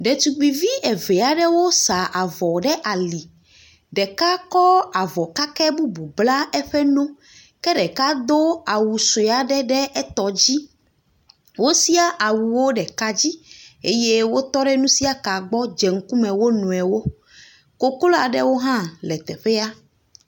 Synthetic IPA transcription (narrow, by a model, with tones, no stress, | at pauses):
ɖɛ˨t̪u˨ɡ͡bi˨vi˦ʔɛ˨ve˨a˨ɖɛ˦wo˦sa˨ʔa˨vɔ˨ɖɛ˦ʔa˨li˨ | ɖɛ˨ka˦kɔ˦a˨vɔ˨ka˦kɛ˦bu˦bu˨bla˦ɛ˦ɸɛ˦nũ˦ | kɛ˦ɖɛ˨ka˦d̪o˦a˨wu˨so˨a˨ɖɛ˦ɖɛ˦ʔɛ˦t̪ɔ˨d͡ʑi˦ | wo˦si˦a˦˨ʔa˨wu˨wo˦ɖɛ˨ka˦d͡ʑi˦e˦je˦wo˦t̪ɔ˦ɖɛ˦nũ˦si˦a˦ka˨ɡ͡bɔ˦d͡ʒɛ˨ŋ̩˦ku˦mɛ̃˨wo˦nũ˨ɛ˨wo˦ | ko˦klo˦a˨ɖɛ˦wo˦ɦã˦lɛ˨t̪ɛ˨ɸɛ˦a˦